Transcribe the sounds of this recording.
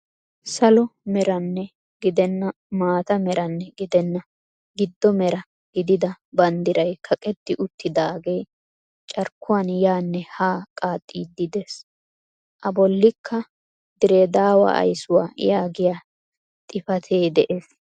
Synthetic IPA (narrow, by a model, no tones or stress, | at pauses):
sɐlɔmɛɾɐnːɛ | ɡɪd̪ɛnːɐ | maːt̪ɐmɛɾɐnːɛɡɪd̪ɛnːɐ | ɡɪd̪ːɔmɛɾɐ | ɡ̥ɪd̪ɪd̪ɐbɐnd̪ɪɾɐjkʰɐkʼɛt̪ːɪʔʊt̪ːɪd̪aːɡej | t͡ʃʼɐɾkːʊwanjaːnːɛhaːkʼaːt̪ʼːiːd̪ːɪd̪ɛs | ʔɐbɔlːɪkʰːɐ | d̪ɪɾeːd̪aːwɐ̰ʔɐ̰jsʊwa̰ːjaːɡɪja | t̪ʼɪfɐt̪ʰeːd̪ɛʔeːs